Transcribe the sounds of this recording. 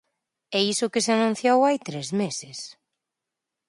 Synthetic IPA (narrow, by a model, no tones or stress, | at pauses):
ɛisʊkɪseanũn̟θjowajt̪ɾezmesɪs